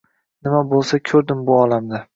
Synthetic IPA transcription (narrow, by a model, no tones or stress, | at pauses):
nɪmabolˠsakʲʰɵɾd̪ɪmbʊɒlamd̪a